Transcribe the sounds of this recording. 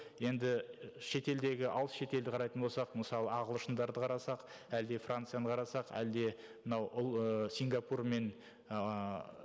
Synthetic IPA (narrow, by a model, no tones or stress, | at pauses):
je̞nd̪ɪʃe̞t̪e̞ld̪e̞ɡʲɪʔɑ̰lˠəsʃe̞t̪e̞ld̪ɪqʰɑɾɑjt̪ənbo̞lˠsɑqməsɑlˠəɑʁəlˠəʃənd̪ɑɾd̪əqʰɑɾɑsɑq | æld̪e̞frant̪sɨjanəqʰɑɾɑsɑqæ̰ld̪e̞ | mənɑwʊlˠsʲiŋɡapurme̞n